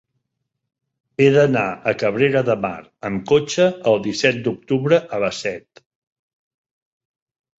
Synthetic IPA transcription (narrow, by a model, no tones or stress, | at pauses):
eðənaəkəβɾeɾəðəma̰ɾəmkot͡ʃəːlˠd̪isɛt̪̚d̪uk̚t̪uβɾəʔələsɛt̪